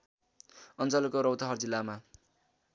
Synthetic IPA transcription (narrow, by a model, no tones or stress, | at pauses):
ʌnt͡sʌlʌkoɾʌwt̪ʌɦʌrd͡zilːama